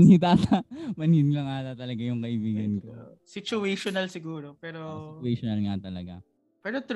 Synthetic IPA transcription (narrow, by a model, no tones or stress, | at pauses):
nit̪aːt̪ɐmɐnhid̪lɐŋaːt̪ɐt̪ɐlɐɡajʊŋkɐʔɪbiːɡɐnko | sɪt͡ʃʊɛʃonɐlsɪɡuːɾopɛːɾoɛʃonɐlŋat̪ɐlɐɡa̰ | pɛːɾot̪